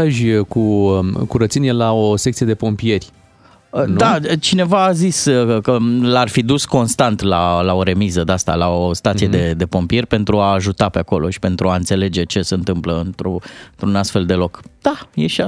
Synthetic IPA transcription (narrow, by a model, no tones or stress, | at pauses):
aʒʲkukuɾət̪sinelao̞sek̚tsije̞d̪epo̞mpije̞rʲ | əd̪at͡ʃine̞vaːziskəlarfid̪usko̞nst̪ant̪lalao̞ɾe̞mizəd̪ast̪a̰lao̞st̪at̪sije̞d̪e̞d̪e̞po̞mpije̞rʲpe̞nt̪ɾuaːʒut̪ape̞ako̞lo̞̰ʃi̥pe̞nt̪ɾuaɨnt̪se̞le̞d͡ʒe̞t͡ʃe̞se̞ɨnt̪ɨmpləɨnt̪ɾont̪ɾunast̪fe̞ld̪e̞lo̞kd̪̥ajeʃa